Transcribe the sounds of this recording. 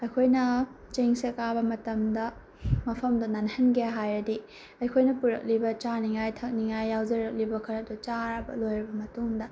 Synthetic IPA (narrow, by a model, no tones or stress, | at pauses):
ɐjkʰojnɐ | t͡ʃeŋsekabɐmɐtɐmdɐ | mɐpʰɐmdɐnanhɐnɡijaɦajɾɐdi | ɐjkʰojnɐpuɾɐ̰k̚libɐt͡ʃaniŋajtʰɐk̚niŋajːawd͡ʒɐɾɐk̚libɐkʰɐɾɐdut͡ʃaɾɐbɐ̰lojɾɐbɐmɐtuŋdɐ